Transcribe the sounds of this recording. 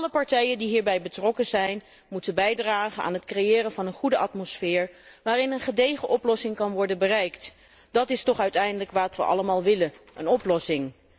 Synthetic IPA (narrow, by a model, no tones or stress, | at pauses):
ɑləpɑɹtɛjəndiɦiːɹbɛjbətrɔkənzɛjn | mutəbɛjdraːχəna̰ːnətkrejɪːrənvɑnənχudəʔɑtmɔsfɪːɹ | ʋaːrɪnənχədejχəʔɔplɔsɪŋkɑnʋɔɹdənbərɛjkt | d̥ɑtɪstɔχœɥtɛjndələkʋaːtʋə̰ʔɑ̰ləmaːlˠʋɪlənʔənɔplɔsɪŋ